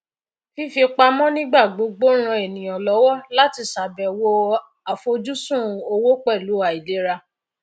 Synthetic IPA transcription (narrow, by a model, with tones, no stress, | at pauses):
fi˦fi˧k͡pa˧mɔ̃˦nĩ˦ɡ͡ba˦˨ɡ͡bo˨˧˦ɡ͡bo˦ɾ̃ã˧e˨nĩ˨j̃ɔ̃˨lɔ˨˦wɔ˦la˨˦ti˧sa˨bɛ˨wo˧ | a˨fo˧d͡ʒu˦sũ˦˨o˧wo˦k͡pɛ˦˨lu˨˦a˨i˨de˦ɾa˧